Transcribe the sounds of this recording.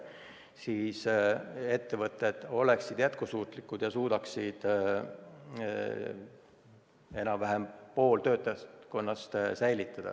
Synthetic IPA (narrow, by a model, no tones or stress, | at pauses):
siːse̞t̪ːe̞vɤt̪ˑːe̞d̪̥o̞le̞ksid̪̥jæt̪kusuːt̪ˑlikːˑud̪̥jɑsuːd̪̥ɑksid̪̥ | e̞nɑvæɦempo̞ːlt̪ø̞ːt̪ːˑɑko̞nːɑst̪sæjlit̪ːˑɑd̪̥ɑ̰